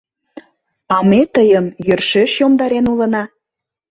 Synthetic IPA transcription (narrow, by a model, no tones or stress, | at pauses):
ɑmet̪əjəmjørʃeʃjomd̪ɑɾenulə̆nɑ